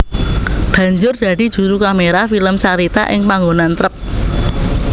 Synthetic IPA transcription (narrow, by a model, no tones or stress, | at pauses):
b̥ä̤ɲd͡ʒʊrd̪̥ä̤d̥i̤d̥ʒ̥ṳɾukameɾafiləmt͡ʃaɾit̪a̰ʔɪ̰ŋpaŋɡonant̪ɾəp̚